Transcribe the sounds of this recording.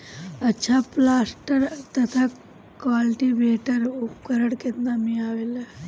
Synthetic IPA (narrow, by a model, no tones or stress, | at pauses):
ɐtːʃʰaplasʈəɾt̪ɐt̪ʰa | kʋalʈibeːʈəɾupkəɾəɽkennamiaːʋela